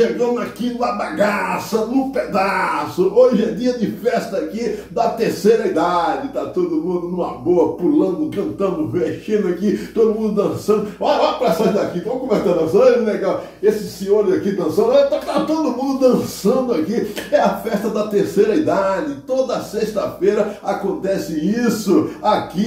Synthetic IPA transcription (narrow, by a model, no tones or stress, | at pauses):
ʃeɡɐ̃nd̪ʊakiñɐbaɡasɐnʊ̃ped̪asʊoʒɪɛd͡ʒiɐd͡ʒɪfɛst̪ɐːkid̪ɐt̪eɾsejɾɐid̪ad͡ʒɪt̪at̪od̪ʊmũd̪ʊnũmɐboɐpulɐ̃nd̪ʊkɐ̃nt̪ɐ̃nd̪ʊmeʃẽnd̪ʊakit̪od̪ʊmũnd̪ʊd̪ɐ̃sɐ̃nd̪ʊɔlɐlapɾɐsãd̪akivɐ̃mkõmesɐ̃d̪ɐ̃sɐ̃leɡaw | esɪsĩɲoɾɪzakid̪ɐ̃sɐ̃nd̪t̪at̪at̪od̪ʊmũnd̪ʊd̪ɐ̃sɐ̃nd̪ʊakiɛɐfɛst̪ɐd̪ɐt̪eɾsejɾɐid̪ad͡ʒɪt̪od̪ɐɐseʃt̪ɐfejɾɐakõnt̪ɛsɪisʊaki